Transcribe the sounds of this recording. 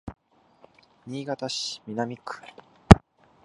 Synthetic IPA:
ɲʲiːɡat̪aɕi̥mʲinamʲikɯ̥

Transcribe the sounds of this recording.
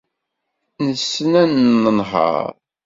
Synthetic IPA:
nəsːənænənɦɑ̰ɾ

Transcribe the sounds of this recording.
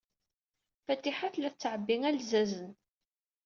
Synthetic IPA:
fæt̪ːiħaθlæθt͡sːʕəbːiŋælzæzən

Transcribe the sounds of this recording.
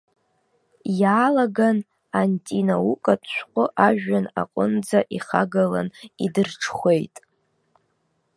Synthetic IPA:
jaːlaɡan | antʼinaukʼat͡ʃʷqʷʼʊʔaʒᶣana̰qʼʊnd͡zaʔiχaɡala̰nidɨrʈ͡ʂʰχʷe̞jtʼ

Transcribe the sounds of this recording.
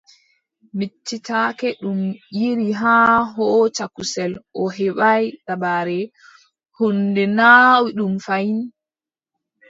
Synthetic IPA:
mit͡ʃːitaːkɛɗumjiɾiɦaːɦɔt͡ʃakusɛlʔɔɦɛɓajɗabaɾɛ | hundɛnawiɗumfajin

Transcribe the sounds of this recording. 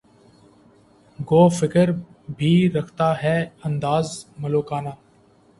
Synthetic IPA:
ɡoːfɪkəɾ | bʱiːɾəkʰt̪aːɦɛːə̃nd̪aːzməloːkaːnaː

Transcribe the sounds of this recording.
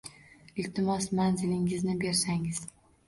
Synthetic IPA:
ɪlt̪ʰɪmɒsmanzɪlɪŋɪznɪbe̞ɾsaŋɪz̥

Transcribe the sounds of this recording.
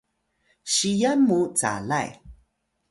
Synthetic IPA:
ɕijamːut͡sa̰laj

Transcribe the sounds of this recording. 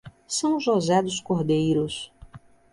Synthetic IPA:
sɐ̃w̃ʒozɛd̪ʊskoɾd̪ejɾʊs

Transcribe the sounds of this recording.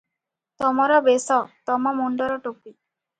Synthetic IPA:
t̪ɔmɔɾɔbesɔt̪ɔmɔmoɳɖɔɾɔʈopi

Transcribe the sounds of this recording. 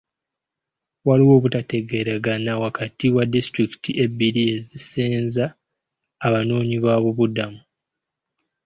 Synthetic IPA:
waliwo̞ːβutate̞ɡe̞ɾaɡanawakatiwadistɾiki̥tʰiʔe̞bːiɾie̞ziseːnzaː | βano̞ːɲiβaβuβudamu

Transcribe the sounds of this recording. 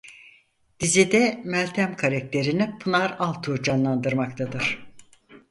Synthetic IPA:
d̪̥izid̪ɛmælʲt̪ʰæmkʰaɾɛk̚t̪ʰe̞ɾinipʰɯnaɾalˠt̪ʰuːd͡ʒanlˠand̪ɯɾmak̚t̪ʰad̪ɯɾ̥

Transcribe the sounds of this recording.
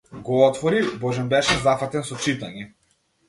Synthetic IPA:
ɡɔɔt̪vɔɾibɔʒɛnbɛʃɛzafat̪ɛnsɔt͡ʃit̪aɲɛ

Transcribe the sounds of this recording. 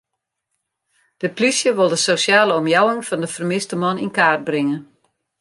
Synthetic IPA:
d̥əplysjəʋɪlˠdəsosjaːləɔmjawɪŋfɔndəfərmɪstəmɔninkaːrt̚brɪŋə

